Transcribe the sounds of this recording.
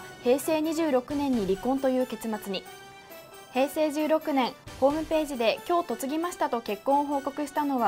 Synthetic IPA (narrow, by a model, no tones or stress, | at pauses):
he̞ːse̞ːɲ̟iʑɨːɾo̞kɯ̟nẽ̞ɲ̟ːiɾʲikõnt̪o̞jɯ̟ːke̞t͡sɨmat͡sɨɲ̟i | he̞ːse̞ːʑɨːɾo̞kɯ̟nẽ̞ɰ̃ho̞ːmɯ̟pe̞ːʑid̪e̞kʲo̞ːt̪o̞t͡sɨɡʲimaɕi̥t̪at̪o̞ke̞kːõ̞ɰ̃oɦo̞ːko̞kɯ̟ɕi̥t̪ano̞βa